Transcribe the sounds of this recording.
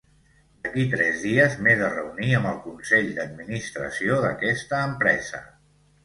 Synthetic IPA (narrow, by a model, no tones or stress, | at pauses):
d̪əkit̪ɾɛzðiəzmezərəuniəmbəlˠkunsɛʎd̪əd̪̚minist̪ɾə̰sioðə̰kɛst̪əːmpɾɛ̰zə̰